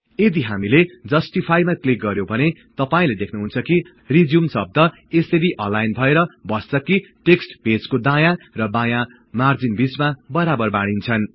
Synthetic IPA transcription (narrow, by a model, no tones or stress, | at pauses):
ed̪iɦamiled͡zʌsʈipʰajmaklik̚ɡʌɾjobʱʌnet̪ʌpaĩled̪ekʰnuɦunt͡sʰʌki | rid͡zjumsʌb̚d̪ʱʌ | eseɾiʔʌ̃lajnbʱʌeɾʌbʌst͡sʌkiʈeksʈbʱed͡zkod̪ãjarʌbãja | mard͡zinbit͡smabʌɾabʌrbaɽ̃int͡sʰʌn